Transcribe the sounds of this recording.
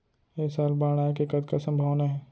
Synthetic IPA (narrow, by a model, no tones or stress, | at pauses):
eːsaːlbaːɽ̃aːkekɐd̪kasɐ̃mbʱaʋnaɦɛː